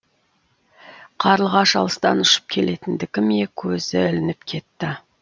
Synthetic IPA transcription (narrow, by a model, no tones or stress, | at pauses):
qʰɑɾəlˠʁɑʃɑ̰lˠəst̪ɑ̰nʊʃə̥p̚kʲʰe̞le̞t̪ɪnd̪ɪkʲɪmekʲʰɵzɪʏlɪnɪp̚kʲʰe̞t̪ːɪ